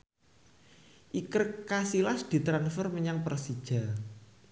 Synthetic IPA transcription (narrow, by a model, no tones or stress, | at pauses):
ʔikərkasilasd̪̥i̤t̪ɾanfərməɲaŋpərsid̥ʒ̥a̤